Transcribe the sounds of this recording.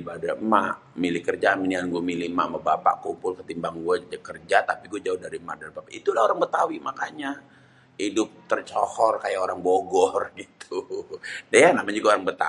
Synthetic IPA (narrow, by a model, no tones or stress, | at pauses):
ibadamaʔ | milɪhkərd͡ʒaminianɡuamilihma̰ʔmabapa̰ʔkumpʊlkət̪imbaŋɡuad͡ʒakərd͡ʒat̪apiɡuad͡ʒaʊhdaɾima̰dalabapait̪ulaoɾaŋbət̪awimakaɲa | idʊp̚t̪ərt͡ʃɔ̰hɔrkajaoɾaŋboɡɔrɡit̪ʰudajanamaɲd͡ʒuɡaoɾaŋbət̪a̰